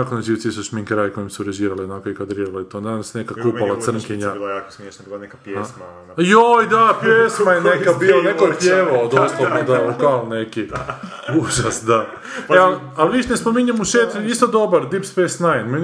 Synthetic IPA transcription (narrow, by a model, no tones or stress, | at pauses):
akonat͡ʃiːʋsisuʃmiŋkɾajkojimsuɾeʒiːɾalionakoikad̪ɾiɾalait̪onansnekakualasr̩nkiɲailjaːko̥smjeʃnabilanekapjesma | jojd̪apjesmajenekkabilonekopjeʋood̪oslˠood̪akaoneki | uʒasd̪a | al | alʋiʃnespomiɲamuʃeːt̪uist̪od̪obaɾd̪ipspesnajnmen